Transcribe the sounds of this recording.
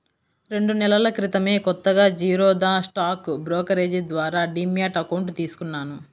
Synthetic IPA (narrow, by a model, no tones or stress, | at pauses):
ɾe̞ɳɖunɛlɐlɐkɾit̪ɐme̞ːkɔt̪ːɐɡaːd͡ʒiːɾɔːd̪aːsʈaːkbɾɔːkɐɾeːd͡ʒid̪ʋaːɾaːɖiːmjaːʈɐkɐwɳʈt̪iːsu̥kunːaːnu